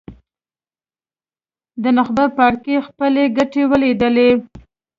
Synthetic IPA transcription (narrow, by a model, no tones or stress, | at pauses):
d̪ənaxbəpɑɽkexpəleɡaʈewəlid̪əle